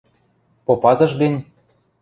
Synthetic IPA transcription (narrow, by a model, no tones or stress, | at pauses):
popɑzɤ̆ʃɣə̆nʲ